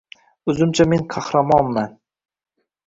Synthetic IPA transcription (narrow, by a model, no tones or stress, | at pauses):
ʊzɪmt͡ʃʰame̞ŋqʰɑhɾamɒnman